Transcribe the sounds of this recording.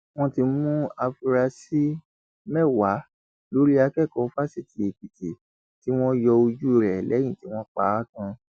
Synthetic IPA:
w̃ɔ̃˦ti˧mũ˦a˧fi˧ɾa˧si˦ | mɛ˦˨wa˨˦ | lo˦ɾi˦a˧kɛ˦˨kɔ̃˨˦fa˦si˦˨ti˧˦e˨k͡pi˨te˨ | ti˨˦w̃ɔ̃˦jɔ˧o˧d͡ʒu˦˨ɾɛ˨lɛ̃˨˦ĩ˦˨ti˨˦w̃ɔ̃˦k͡pa˦a˦kã˧

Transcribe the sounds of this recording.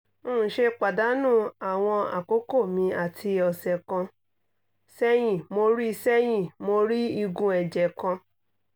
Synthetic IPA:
õ˦˨ʃe˧k͡pa˨da˨˦nũ˦˨a˨w̃ɔ̃˧a̰˨ko˦ko˦˨mĩ˧a˨tʰi˧˦ɔ˨sɛ˨kɔ̃˧ | sɛ˧j̃ĩ˦˨mo˧ɾi˦˧sɛ˦j̃ĩ˦˨mo˧ɾi˦i˧ɡũ˧ɛ˨d͡ʒɛ˨kɔ̃˧

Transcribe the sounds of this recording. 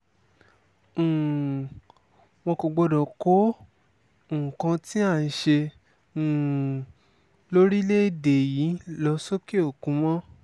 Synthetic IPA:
w̃ɔ̃˧ko˨ɡ͡bɔ˧dɔ˨ko˨˦˨ | kã˧ti˦a˦˨n̩˧˦ʃẽ˧˨ | lo˦ɾi˦le˦˨de˨ji˨˦lɔ˧so˦ke˦o˦˨kũ˨˦mɔ̃˦

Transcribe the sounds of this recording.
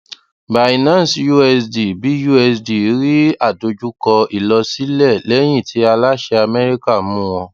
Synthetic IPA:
ba˨ĩ˨nãː˨˦˨si˦ju˦ɛ˧sdi˨bi˨˦ju˦ɛ˧˨sdi˨˦ɾi˦a˦˨do˨˧d͡ʒu˦kɔ˧i˨lɔ˧si˨˦lɛ˦˨lɛ˨˦j̃ĩ˦˨tʰi˨˦a˧la˦ʃɛ˧a˧mɛ˦ɾi˦ka˦˨mũ˦w̃ɔ̃˧

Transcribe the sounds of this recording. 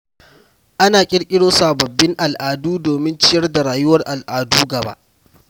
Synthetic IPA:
ʔa˦naː˨kʲʼɪ˦ɽkʲʼɪ˦ɽoː˦saː˨bɐ˨bːɪ˦ŋʔa˨lʔaː˨duː˦doː˨mɪ˦nt͡ʃɪ˦jɐ˦rda˨ɽaː˨jʊ˦wɐ˦rʔa˨lʔaː˨duː˦ɡɐ˨ba̰˦ʔ

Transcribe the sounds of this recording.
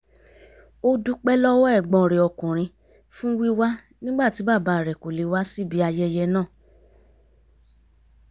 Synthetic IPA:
o˦du˦k͡pɛ˦lɔ˦wɔ˦ɛ˦˨ɡ͡bɔ̃˧˨ɾe˨ɔ˧˨kũ˨ɾ̃ĩ˧ | fũ˦wi˦wa˦ | nĩ˦ɡ͡ba˦˨ti˨˦ba˦˨ba˧˦a˨ɾɛ˨ko˨le˨wa˦si˦˨bi˨˦a˧jɛ˧jɛ˧nãː˦˨

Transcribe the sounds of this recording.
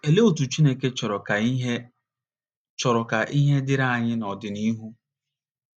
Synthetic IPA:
e˨le˦o˨tu˨t͡ʃi˦ne˦ke˦t͡ʃɔ˨ɾɔ˨ka˨˦ɦe˦ | t͡ʃɔ˨ɾɔ˨ka˨ʔi˦ɦe˦dɪ˦ɾa˦˨ɲɪ˦nɔ˨dɪ˨ni˦ɦu˦

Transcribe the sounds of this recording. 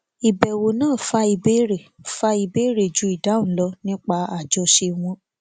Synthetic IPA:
i˨bɛ˨wo˨nãː˦˨fa˧i˧be˦ɾe˨fa˧i˧be˦ɾe˦˨d͡ʒu˨˦i˦˨dã˨˦˨lɔ˧˦nĩ˦k͡pa˧a˨d͡ʒɔ˧ʃe˧w̃ɔ̃˧

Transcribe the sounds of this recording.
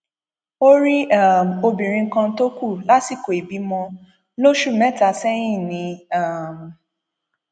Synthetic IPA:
o˦ɾi˦a˦˨m̩˨o˧bĩ˨ɾ̃ĩ˧ŋ̩˦kã˧˦to˦ku˦˨la˨˦ti˦˨ko˨i˨bi˨˦mɔ̃˧ | lo˦ʃu˦˨mɛ̃˦ta˧˨sɛ˦j̃ĩ˦˨nĩ˧a˦˨m̩˨

